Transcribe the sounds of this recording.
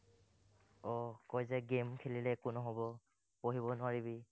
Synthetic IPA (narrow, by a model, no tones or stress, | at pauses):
ɔkɔjzɛɡemkʰililɛkʊnɔɦobɔ | poɦibɔnʊaɹibi